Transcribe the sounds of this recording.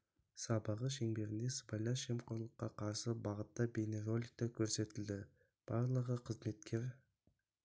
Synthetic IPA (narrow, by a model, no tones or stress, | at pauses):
sɑbəʁəʃe̞ŋbe̞ɾɪnd̪e̞spɑjlˠɑʃemqʰoɾlˠəqːɑqʰɑɾsəbɑʁət̪ːɑbʲenerolʲik̚t̪ɑkʲʰɵɾse̞t̪ɪld̪ɪ | b̥ɑɾlˠəʁəqʰəzme̞t̪̚kʲʰe̞ɾ